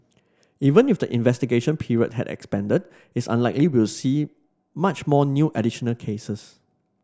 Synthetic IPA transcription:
ivə̃nifdəʔĩnvɛstiɡeʃə̃npʰiɹiə̰t̚hɛ̰dɛ̰kspɛ̃ndəd̚ | ɪsã̰nlaɪkliwiwlsi | mat͡ʃmɔnjuʔɛdiʃənəlkʰesəs

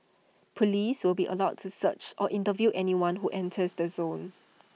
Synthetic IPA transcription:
pʰɔliswɪlbiʔə̰laʊttusət͡ʃʔɔʔĩntəvjuʔɛniwãnɦuʔɛ̃ntʰəsdəzõn

